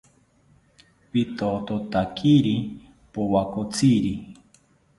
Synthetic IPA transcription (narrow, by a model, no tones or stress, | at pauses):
pit̪ot̪ot̪akʰiɾi | powakot͡sʰiɾi